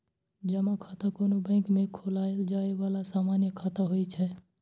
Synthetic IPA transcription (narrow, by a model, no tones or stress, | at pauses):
d͡ʒəmakʰat̪akoːnobə̃ɪ̃kmẽkʰolaeld͡ʒaeʋalasamanjəkʰaːt̪aɦojt͡ʃʰɛ